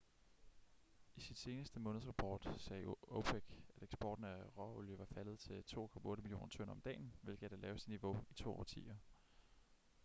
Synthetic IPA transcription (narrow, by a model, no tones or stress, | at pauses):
isid̥se̝ːnəsd̥əmɔ̽nðˠsʁɑ̈pʰɒ̰ːd̥sɛːopʰeɡ̥æɾ̥eɡ̥sb̥ɒ̰ːd̥n̩æʁɒoljəʋɑ̈fælð̞̩ˠt͡sʰe̝lt͡sʰo̝̰ːkʰɒ̽mɐɔ̽ːɾəmiljo̝̰ːnɐt͡sʰɔ̽n̰ɐɒ̽md̥ɛ̰ːnʋe̝lɡ̥əæd̥ælɛːʊəsid̥niʋo̝it͡sʰo̝̰ːɒ̰ːt͡sʰḭːɐ